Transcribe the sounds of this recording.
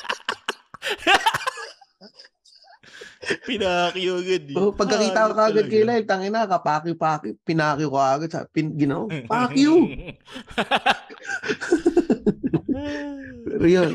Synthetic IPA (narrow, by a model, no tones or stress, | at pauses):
pɪnakjoɐɡad̪̚ʔopɐɡkːɐkiːt̪akokɐʔɐɡad̪̚kɐjlaːhɪlt̪ɐŋɪnakɐpaːkjopaːkopɪnaːkɪjokoɐʔɐɡad̪sa̰pɪnɡɪnowpaːkjo | pɛ̰ːɾojon